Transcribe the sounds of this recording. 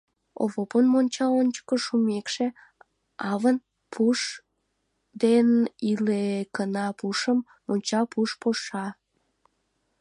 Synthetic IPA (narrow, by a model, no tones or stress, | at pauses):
o̰βoponmonʲt͡ɕɑonʲt͡ɕə̥kəʃumekʃe | ɑβən | pʰuʃ | d̪enilekənɑpuʃəmːonʲt͡ɕɑpuʃpoʃɑ